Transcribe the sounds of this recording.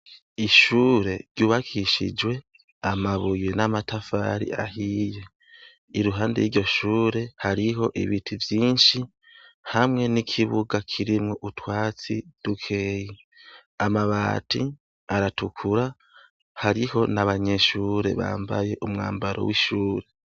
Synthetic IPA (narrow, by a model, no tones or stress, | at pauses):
iʃuːɾe̞ɾɟuːβakʰiʃḭd͡ʒwe̞ | amaβujenamatafa̰ɾḭahije̞ | iɾuɦaːndejiɾɟo̞ʃuːɾe̞haɾiɦo̞ʔḭβitʰivjiːnʃi | hamŋe̞nikʰiβuɡakʰiɾimŋo̞ʔutwaːt͡sid̥ukʰe̞ːji | amaβa̰ːti | aɾatukʰuɾa | haɾiho̞naβaɲe̞ʃuːɾe̞̰βa̰ːmba̰je̞ʔumŋa̰ːmbaɾʔo̞̰wiʃuːɾe̞